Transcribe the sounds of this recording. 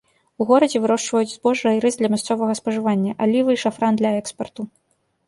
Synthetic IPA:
uɣɔɾɐd͡zʲɛvɨɾɔʂt͡ʂvɐjud͡zʲzbɔʐɨɐjiɾɨzd̪lʲɐmʲast̪sɔvɐɣɐspɐʐɨvanʲːɐʔalʲivɨiʂafɾand̪lʲɐɛkspɐrt̪u

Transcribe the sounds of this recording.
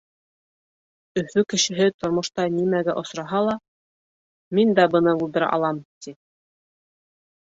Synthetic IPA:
ɵ̆fɵkɘ̆ʃɘ̆ɦɘt̪ŏɾmŏʃt̪ɑnimæɡæʔŏsɾɑɦɑlˠɑ | mind̪æbɤ̆nɤbulˠd̪ɘ̆ɾʔɑ̰lˠɑmt̪i

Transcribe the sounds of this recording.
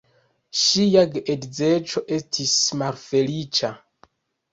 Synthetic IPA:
ʃijaɡʔedzet͡ʃo̞ʔe̞stʰismalfe̞lit͡ʃa

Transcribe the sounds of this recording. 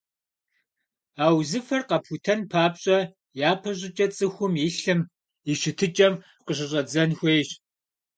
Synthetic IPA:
aːwzɨfɐrqɐpʰutʰɐnpʰaːpɕʼɐ | jaːpʰɐɕ̬ʼɪt͡ʃʼɐt͡sʼɨxʷʊmjɪɬɨm | iʃɪtʰɨt͡ʃʼɐm | qəɕ̬ɪɕ̬ʼɐd͡zɐnxʷeːɕ

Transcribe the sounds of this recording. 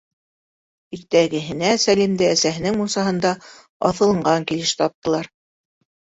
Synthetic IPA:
iɾt̪æɡɘ̆ɦɘ̆næsælimd̪ɘæsæɦɘ̆nɘŋmusɑɦɤ̆nd̪ɑ | ɑ̰θɤ̆lˠɤ̆ɴɢɑŋkilɘʃt̪ɑp̚t̪ɤ̆lˠɑɾ

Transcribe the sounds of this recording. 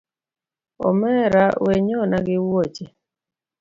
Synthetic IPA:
ɔ̰mɛɾaweɲɔnaɡɪwot͡ʃe

